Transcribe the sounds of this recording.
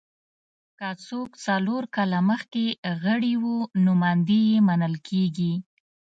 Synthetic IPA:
kat͡sokt͡saloɾkɑlaməxkeɣəɽiwunomand̪ijemanəlkʰeɡi

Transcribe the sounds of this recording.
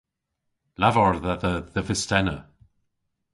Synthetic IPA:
lavɔɹðəðəðəvɪstɛnə̰

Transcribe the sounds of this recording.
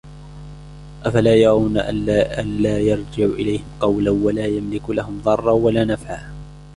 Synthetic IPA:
ʔafalaːjɑɾˤɑwnaʔʔanlaːjɑɾˤd͡ʒɪʕuʔɪlajhɪmqɑwlawalaːjamlɪklahʊmðˤɑrˤːɑwalaːnafʕaː

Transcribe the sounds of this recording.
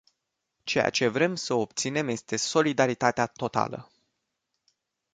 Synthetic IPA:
t͡ʃe̞ja̰t͡ʃe̞vɾe̞msəo̞p̚t̪sine̞mje̞st̪e̞so̞lid̪aɾit̪at̪eat̪o̞t̪a̰lə̰

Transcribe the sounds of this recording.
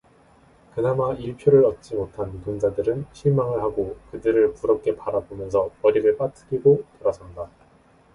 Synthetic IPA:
kɯnamaiɭpʰjoɾɯɾʌt̚t͡ɕ͈imotʰantund͡ʑadɯɾɯnɕʰimaŋɯɭhaɡokɯdɯɾɯɭpuɾʌp̚k͈e̞paɾabomjʌns̬ʰʌpʌɾiɡɯɭp͈atʰɯ̥ɡiɡotoɾasʰanda

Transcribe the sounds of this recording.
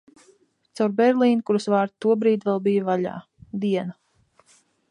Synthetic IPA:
t̪sawɾbɛɾlˠiːnkuɾusvaːɾt̪t̪ːuɔbɾiːt̪vɛlˠbijavaʎa̰ː | d̪iɛna

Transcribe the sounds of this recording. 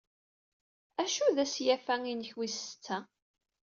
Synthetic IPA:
æʃuðæsjæfæŋinəçwisə̥t͡sːæ

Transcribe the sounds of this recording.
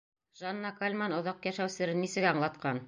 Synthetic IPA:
ʒanːɑkalʲmɑnŏðɑqjæʃæwsɘ̆ɾɘnːisɘ̆ɡæɑɴlˠɑt̪qɑn

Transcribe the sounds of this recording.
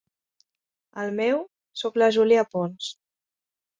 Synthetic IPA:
əlˠmɛw | soklaʒuliapons

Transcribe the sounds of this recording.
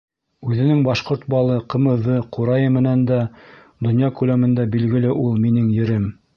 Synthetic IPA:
ʉðɘ̆nɘŋbɑʃqoɾt̪̚bɑlˠɤqɤ̆mɤ̆ðɤquɾɑjɤmɘ̆nænd̪æ | d̪ŏnjɑkʉlæmɘ̆nd̪æbilɡɘ̆lɘʔulˠminɘŋjɘ̆ɾɘm

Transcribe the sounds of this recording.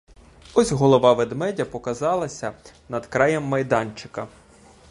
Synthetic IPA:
ɔsʲɦɔlˠɔʋɑʋed̪mɛdʲɐpɔkɐzɑlˠɐsʲɐ | nɐd̪kɾɑjɛmːɐjd̪ɑnt͡ʃɪ̥kɐ

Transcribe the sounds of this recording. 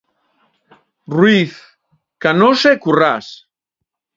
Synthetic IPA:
rwiθ | kanosekuras

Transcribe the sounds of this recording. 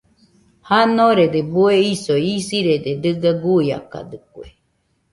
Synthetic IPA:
hanõɾed̪ebueisoisiɾed̪ed̪ɨɡaɡuia̰ka̰d̪ɨkwḛ

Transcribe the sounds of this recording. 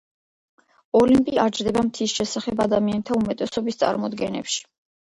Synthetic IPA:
ɔlimpʼiaɾd͡ʒɾd̪ɛbamt̪ʰisʃɛsaχɛbad̪amianɛt̪ʰaumɛt̪ʼɛsɔbist̪sʼa̰ɾmɔd̪ɡɛnɛ̰pʃi̥

